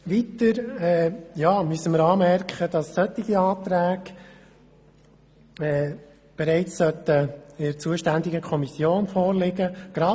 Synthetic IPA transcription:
ʋit̪əɾɛːjɑːmyəsəməɾɑːmɛrkχəd̥ɑsːœt̪ːɪɡiɑːt̪ɾæːɡ | ɛː | b̥ɛɾɛɪt͡ssœt̪əɪɾt͡suəʃtænd̪ɪɡəkʰɔmisjoːnfɔːɾlɪɡəɡ̥ɾɑ

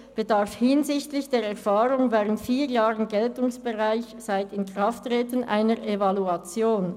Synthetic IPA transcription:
b̥ədaʁfhɪnzɪçtlɪçd̥eːɾɛʁfaːʁʊŋvɛːʁəntfiːjaːʁənɡɛltʊŋsb̥eʁaɪçz̥aɪtɪnkʁ̥aftːʁɛːtənʔa̰ɪnəʁʔevaluat͡sjoːn

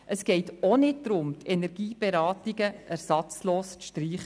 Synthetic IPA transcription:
ʔəsɡ̥ɛɪtonɪt̚d̥ɾʊmtʰɛnɛɾɡiːb̥eɾɑːtiɡəʔæɾsɑt͡sloːstʃtɾiːχə

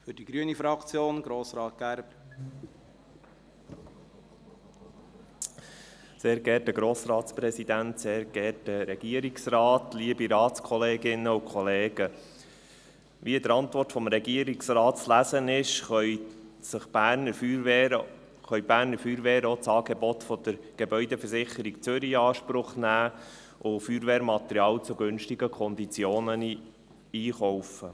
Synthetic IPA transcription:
fʏɾd̥iɡɾyənifɾɑkt͡sjoːnɡ̥ɾoːsɾɑːt̪̚ɡ̥æɾb | seːɾɡɛtdəɡɾoːsɾɑːt̪spɾɛsid̪ænt̪seːɾɡ̥ɛrt̚dəɾɛɡ̥iəɾiksrɑːt̪liəbiɾɑːt̪skʰɔleːɡɪnːəukʰχɔleːɡə | ʋiəd̪əɾɑnt̪ʋɔrtfɔmɾɛɡiəɾiksrɑːt̚t͡slæsənɪʃχœʏsəχb̥æːɾnəɾfɾ | χœʏb̥æːɾnəɾfyːɾʋeːɾəot͡sɑːɡ̥ebɔt̪fɔd̪̥əɾɡ̥ebœʏd̪ɛfəsɪχəɾikt͡sʏɾiɑːʃpɾʊχnæː | ʔʊfyːɾʋeːɾmɑt̪ɛɾjɑːlt͡sʊɡɵnʃtiɡəkʰɔnd̪it͡sjoːnən | iːχɔwfə

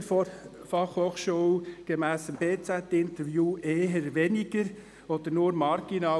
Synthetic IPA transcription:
fɑχhoːχʃuːwɡ̥ɛmæːsəmbeːt͡sæt̪ɪnt̪əɾvjuːʔeːɦəɾʋɛniɡ̥əɾ | ɔd̪əɾnʊɾmɑɾɡ̥inɑ

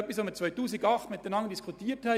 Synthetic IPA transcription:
œpisʋoːmət͡sʋœʏtuːsɪɡɑχt̪mɪt̪̚d̥ənɑŋəndiskʰʊtiːəthɛ

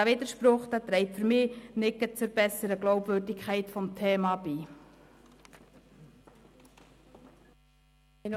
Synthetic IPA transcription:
æʋɪd̪əʃpɾʊχt̪ət̪ɾɛɪtfɵɾmɪːnɪkːət͡sʊɾb̥ɛsːəɾəɡloʊbvørdɪkʰχɛɪtfɔmtʰɛːmɑːbiː

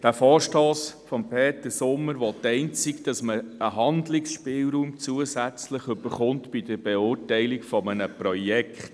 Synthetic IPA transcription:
d̥æfɔːɾʃtɔːsfɔmpʰɛːt̪əsʊmːəɾʋot̪ɛɪnt͡sikd̥ɑsməəɦɑnd̪lɪksʃpɪːlɾuːmt͡suəsæt͡sləχʏbəɾχʊntb̥id̥əɾb̥eʊːɾtɛɪlɪkfɔmənəpɾɔjɛkχt

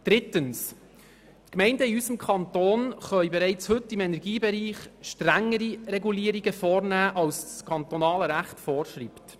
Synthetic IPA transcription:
d̥ɾɪtəns | tkmɛɪndəiysəmkʰɑntoːnχœɥbɛɾɛɪt͡shɵtːɪmɛnɛɾɡiːbɛɾiːχʃtɾæŋːəɾiɾɛɡuliːəɾiɡəfɔːɾnæːʔɑlsskʰɑntɔnɑːləɾæχtfɔːɾʃriːpt

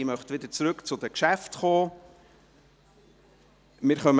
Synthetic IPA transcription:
imœχt̪ʋɪdət͡sɾɵkt͡sʊd̥̪əkʃæftχoː | mɪːɾχœm

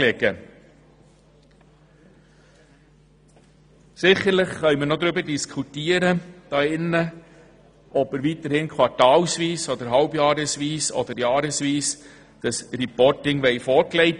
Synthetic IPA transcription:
leɡə | sɪχəɾlɪχχœʏmənod̪ɾybəɾdiskʰutiːəɾəd̥ɑːɪnːə | ʔɔbəɾʋiːtəɾhɪnkʰwɑɾtɑːlsʋiːsɔd̪əɾɦɑlbjɑːɾəsʋiːsɔ̰d̪əɾjɑːɾəsʋiːs | d̪̥ɑsripɔɾtɪŋʋɛɪfɔɾklɛɪt

